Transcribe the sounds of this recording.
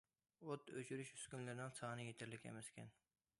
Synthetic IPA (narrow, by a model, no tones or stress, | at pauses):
ot̪øt͡ʃʰyɾyʃy̥skʲynlɪɾnɪŋsɑnɨjet̪ʰɪɾlɪkʲɛ̰mɛskʲʰɛ̰n